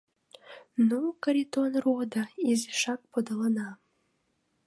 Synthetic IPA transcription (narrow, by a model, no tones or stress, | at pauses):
nokəɾit̪onrod̪aizeʃɑk̚pod̪ələnɑ